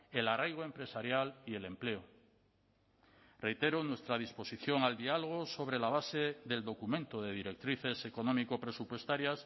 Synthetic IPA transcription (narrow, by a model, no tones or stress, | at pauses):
elarajɣ̞oe̞mpɾe̞saɾjaliele̞mple̞o | re̞jt̪e̞ɾonwe̞st̪ɾað̞ispo̞siθjo̞ŋald̪ialoɣ̞oso̞β̞ɾe̞laβ̞aseðe̞ld̪o̞kumẽnt̪oðe̞ðiɾe̞k̚t̪ɾiθe̞seko̞nõmikopɾe̞supwe̞st̪aɾjas